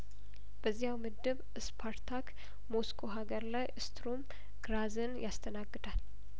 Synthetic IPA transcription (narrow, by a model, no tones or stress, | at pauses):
b̥əzːijawmɨd̪ːɨβʔɨspʰaɾt̪ʰak | moskʰo̞ɦaɡəɾlajʔɨst̪ʰɾum | ɡ̥ɾazɨnjʔast̪ʰənaɡːɨd̪al